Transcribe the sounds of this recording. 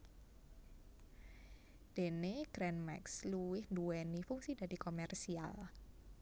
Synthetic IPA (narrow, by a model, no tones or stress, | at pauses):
d̥e̤neɡ̥ɾɛnmɛ̰ksluwɪhnduwɛnifuŋsid̥ad̥i̤komɛrsia̰l